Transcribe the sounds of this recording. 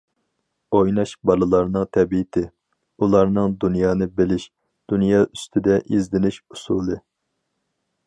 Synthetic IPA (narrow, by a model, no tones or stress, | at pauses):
ojnɑʃbɑlˠɨlˠɑɾnɨŋt̪ʰɛbiɪt̪ʰɪ | ulˠɑɾnɨŋd̪unjɑːnɨbɪlɪʃ | d̪̥unjɑːʔyst̪ʰɪd̪ɛʔizd̪ɪnɪʃusuːlˠɨ